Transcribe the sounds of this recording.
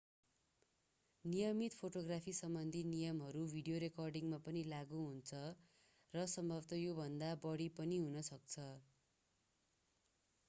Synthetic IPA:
nijʌmit̪pʰoʈoɡrapʰisʌmbʌnd̪ʱinijʌmɦʌɾubʱiɖijoɾekʌrɖiŋmapʌnilaɡuɦunt͡sʰʌ | rʌsʌmbʱʌbt̪ʌjobʱʌnd̪abʌɽipʌniɦunʌsʌk̚t͡sʰʌ

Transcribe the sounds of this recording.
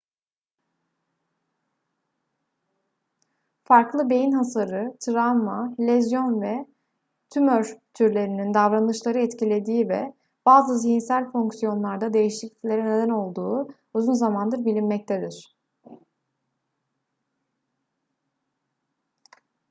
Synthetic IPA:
faɾklˠɯbe̞jinɦasaɾɯt̪ʰɯɾamːalʲɛzjo̞nvɛ | t̪ʰymøɾt̪ʰyɾlʲe̞ɾinind̪avɾanɯʃlˠaɾɯɛt̪cilʲe̞d̪iːvɛ̰ | b̥aːzɯzijinsælʲfoŋksijo̞nlˠaɾd̪ad̪e̞jiʃiclʲi̥clʲe̞ɾɛned̪æno̞lˠd̪uː | uzunzamand̪ɯɾbilʲinmɛc̚t̪ʰed̪iɾ̥

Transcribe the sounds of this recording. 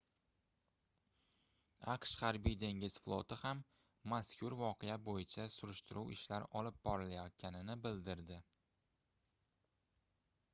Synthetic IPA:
ɑqʃhaɾbijd̪e̞ŋɡʲɪz̥flˠot̪ɪhamː | askʲʰʊɾvɒqʰejabojɪt͡ʃʰasʊɾɪʃt̪ɪɾʔuwɪʃlaɾɒlɪb̚bɒɾɪlajɒt̪̚kʲʰanɪnɪbɪld̪ɪɾd̪ɪ

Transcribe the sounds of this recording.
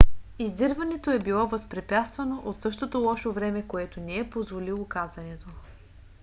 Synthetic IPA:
izd̪əɾvɐnɛt̪oɛbilˠɔvəspɾɛpʲjat̪st̪vɐnoʔot̪sɤʃt̪ot̪olˠɔʃovɾɛmɛkoɛt̪onɛːpozvolilˠokazɐnɛt̪o

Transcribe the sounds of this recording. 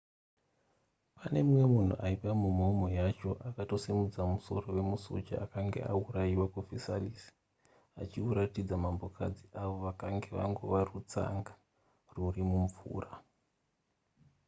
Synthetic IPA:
pane̞mwe̞mun̤ṵʔaipamumomo̞jat͡ʃo̞ʔakato̞semud͡zamuso̞̰ro̞we̞muso̞̰t͡ʃaakaŋɡe̞̰ʔauɾajiwakufisa̰lisi̥ | at͡ʃiuɾatid͡zamambo̞kʰa̰d͡ziʔaʋo̞ʋakaŋɡe̞ʋa̰ŋɡo̞ʋarut͡sa̰ŋɡḁ | rurimuɱvṵːra

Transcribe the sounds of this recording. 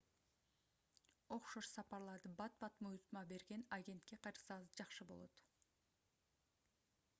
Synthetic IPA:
o̞qʃoʃsɑpɑɾlˠɑɾd̪ɯbɑt̪̚bɑt̪mujt̪mɑbe̞ɾɡe̞naɡʲe̞nt̪ke̞qʰɑɾsɑʁɯzd͡ʒɑqʃɯbo̞lˠo̞̰t̪

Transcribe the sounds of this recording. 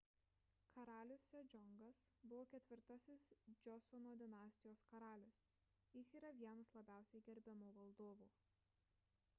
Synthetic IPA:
kʰɐɾɑːlʲʊsːʲod͡ʒʲɔŋɡɐsbʊʋoːkʲɛt̪ʲʋʲɪɾt̪ɐsʲɪsd͡ʒʲɔsɔnoːd̪ʲɪnɑːsʲt̪ʲɪjoːskɐɾɑːlʲʊs | jɪsiːɾɐʋʲiɛnɐslˠɐbʲæˑʊsʲɛɪɡʲɛɾʲbʲɛmoːʋɐlˠd̪oːʋuː

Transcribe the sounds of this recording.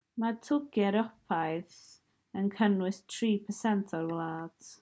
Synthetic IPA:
matʰʊɡɛɾɔpʰajðs | ənkʰənwɨstʰriːpʰəsɛntʰɔɾwlˠaːd̥

